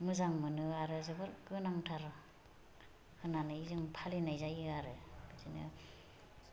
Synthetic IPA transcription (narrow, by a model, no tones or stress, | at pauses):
mɯzaŋmɯnɯaɾɯzɯbɯɾɡɯnaŋtʰaɾ | hʰɯnanɯizɯŋpʰalinajzajiaɾɯbɯzinɯ